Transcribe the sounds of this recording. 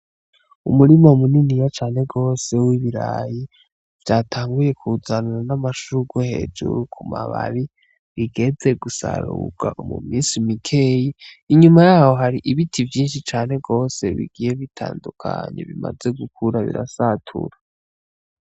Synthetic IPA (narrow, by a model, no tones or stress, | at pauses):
umuɾimaumuninijat͡ʃaːne̞ɡo̞ːse̞wiβiɾa̰ji | v̥jatʰaːŋɡuje̞kʰuzaniɾanamaʃuɡwohe̞̰d͡ʒṵɾukʰuma̰βa̰βi | βiɡe̞d͡ze̞ɡusa̰ɾṵɡ̥aʔomṵmiːnsimikʰe̞ji | iɲumajaːho̞ɦaɾiʔiβitʰivjiːnʃit͡ʃaːne̞ɡo̞ːse̞βḭɡije̞βitʰa̰ːndukʰa̰ɲḛβima̰ze̞ɡukʰuɾaβḭɾasatʰṵɾa